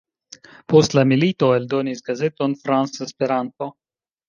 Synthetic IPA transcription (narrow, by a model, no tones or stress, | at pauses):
po̞stlamilito̞eldo̞nisɡaze̞to̞nfɾansespe̞ɾanto̞